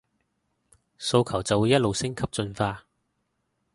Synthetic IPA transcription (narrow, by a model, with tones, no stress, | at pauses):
so˧wkʰɐ˨˩wt͡sɐ˨wu˨˧jɐ˥t̚lo˨wsɪ˥ŋkʰɐ˥p̚t͡sɵ˧nfaː˧